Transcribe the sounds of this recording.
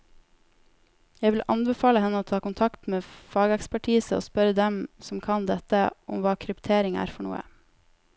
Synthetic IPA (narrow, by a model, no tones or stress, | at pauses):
jæɪʋɪlʔɑ̰nbəfɑːləhɛnːəoːt̪ʰɑːkʊnt̪ʰɑkt̪meːfɑːɡəɛkspæʈʰiːsəo̰ːspœɾəd̪ɛmsɔm̩kʰɑnd̪ɛt̪əʔʊmʋɑːkʰɾʉpt̪ʰeːɾɪŋæ̰ːɾfɔɳṵːə̰